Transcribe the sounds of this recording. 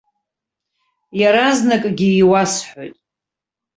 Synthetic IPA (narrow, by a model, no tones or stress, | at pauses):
jaɾaznakʼɡʲiːwasħojtʼ